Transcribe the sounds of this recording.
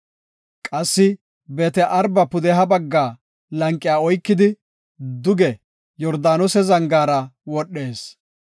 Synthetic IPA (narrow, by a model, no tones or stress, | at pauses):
kʼɐsːɪ | beːt̪ɛʔɐɾbɐpʊd̪ɛɦɐbɐɡːaː | lɐŋkʼːɪjaːɔjkːɪd̪ɪ | d̪ʊɡɛ | jɔɾd̪aːnɔsɛzɐŋɡaːɾɐwɔɗːe̞ːs